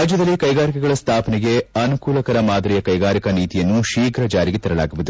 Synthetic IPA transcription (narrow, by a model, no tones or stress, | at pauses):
ɾaːd͡ʒjɐd̪ɐlːikɐjɡaːɾikɛɡɐɭɐst̪ʰaːpɐnɛɡe̞ɐnukuːlɐkɐɾɐmaːd̪ɾijɐkɐjɡaːɾikɐniːt̪ijɐnːuʃiːɡɾɐd͡ʒaːɾiɡet̪ɐɾɐla̰ːɡuʋud̪u